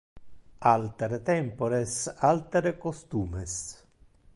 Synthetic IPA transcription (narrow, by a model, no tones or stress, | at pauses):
alt̪eɾet̪ɛmpoɾesalt̪eɾekost̪uːmes